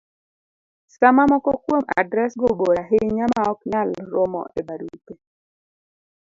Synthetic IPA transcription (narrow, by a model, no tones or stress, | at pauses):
samamɔkɔkwoma̰dɾɛsɡoboɾaɦeɲamaɔkɲalɾomɔ̰ebaɾute